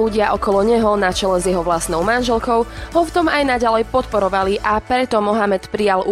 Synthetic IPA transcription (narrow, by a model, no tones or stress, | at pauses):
uɟɪaʔɔkɔlɔɲɛɦɔnat͡ʃɛlɛzjɛɦɔʋlast̪nɔʊmanʒɛlkɔʊɦɔft̪ɔmajnaɟalɛjpɔt̪pɔɾɔʋaliʔapɾɛt̪ɔmɔɦamɛt̪pɾijalu